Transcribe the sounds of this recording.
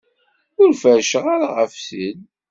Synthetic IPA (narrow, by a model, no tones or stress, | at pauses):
ʊɾfəɾʃəʁaɾaʁəfsid